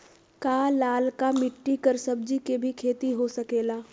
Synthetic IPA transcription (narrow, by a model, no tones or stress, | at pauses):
kaːlaːlkamɪʈːikɐɾsɐb̚d͡ʒikebʱikʰeːt̪iɦosɐkeːlaː